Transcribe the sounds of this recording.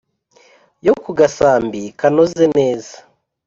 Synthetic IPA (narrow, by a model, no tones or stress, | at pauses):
jokuɡasaːmbikanozene̞ːzḁ